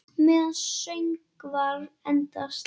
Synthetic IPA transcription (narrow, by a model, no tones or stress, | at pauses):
mɛːðansœɥŋkvaɾɛnt̪ast̪